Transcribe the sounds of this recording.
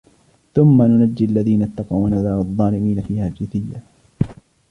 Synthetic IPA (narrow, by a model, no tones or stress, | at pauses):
θʊmːanʊnad͡ʒːɪalːaðiːnat̪ːɑqɑwnʔaðaːʔʊðˤːɑːlɪmiːnafiːhaːld͡ʒɪθɪjːa